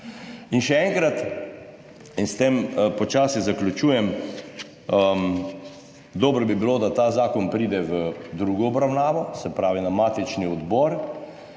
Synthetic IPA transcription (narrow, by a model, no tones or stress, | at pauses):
inʃɛɛŋkɾat̪ | inst̪empɔt͡ʃaːsizaklʲut͡ʃuːjɛm | əm | d̪ɔːbɾɔbibiloːd̪at̪aːzaːkɔnpɾiːd̪ɛʋəd̪ɾuːɡɔɔbɾawnaːʋɔsɛpɾaːʋinamaːt̪it͡ʃniɔd̪bɔːɾ